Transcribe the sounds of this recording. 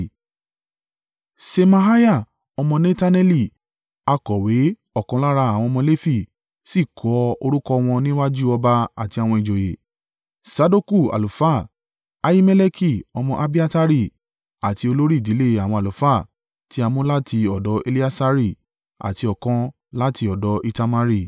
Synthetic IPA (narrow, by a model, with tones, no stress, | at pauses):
se˧mã˧ɦa˦ja˦˨ | ɔ˧mɔ̃˧nẽ˦ta˦nɛ˧li˦˨ | a˧kɔ˨we˨˦ | ɔ˦˨kɔ̃˧la˦ɾa˧a˨w̃ɔ̃˧mɔ̃˧le˦fi˦˨ | si˦˨kʰɔ˨˦o˧ɾu˦kɔ˧w̃ɔ̃˧nĩ˦wa˦d͡ʒu˦ɔ˧ba˧a̰˨ti˧a˨w̃ɔ̃˧i˨d͡ʒo˨je˨ | sa˧do˦ku˦˨a̰˨lu˨fa˦˨ | a˦ji˦me˦le˦kʰi˦˨ɔ˧mɔ̃˧ʔa˧bi˦a˦ta˦ɾi˦˨ | a˨ti˧o˧lo˦ɾi˦i˨di˨˦le˦a˨wɔ̃˧a˨lu˨fa˦˨ | ti˦a˧mõ˦la˦tʰi˧ɔ˨dɔ˨˧˦e˧li˦a˦sa˧ɾi˦˨ | a̰˨ti˧ɔ˨kã˧ | la˦ti˧ɔ˨dɔ˨˦ʔi˧ta˧ma˧ɾi˦˨